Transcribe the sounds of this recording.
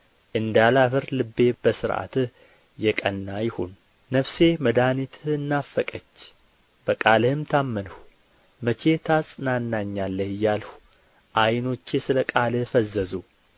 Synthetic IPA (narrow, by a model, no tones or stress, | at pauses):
ʔɨnd̪alafɨɾlɨbːe̞bəsɨɾʔa̰t̪ | jɛkʼənːajɪhunː | əβse̞məd̪anit̪ʰɨnːafːəkʼət͡ʃː | b̥əkʼalhɨmt̪ʰamːənəh | mət͡ʃʰe̞t̪ʰasʼnanːaɲːalːəhɨjːalhu̥ | ʔajno̞t͡ʃːesɨləkʼalɨhfəzːəzu